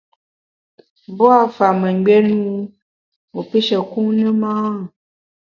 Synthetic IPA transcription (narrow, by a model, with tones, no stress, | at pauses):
bɔ˦a˨fa˨mə̃˨ɡ͡bɛ˦nu˦ | wo˨pi˦ʃɛ˨kũ˦nə̃˦mã˦˨